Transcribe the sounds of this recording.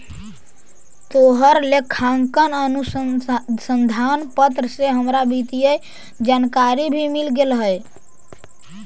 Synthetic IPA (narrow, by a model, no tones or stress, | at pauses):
t̪oɦəɾlekʰaŋkənənussənd̪ʱanpət̪ɾəseɦəmɾabʱit̪ijəj | d͡ʒankaɾibʱimilɡelɦəj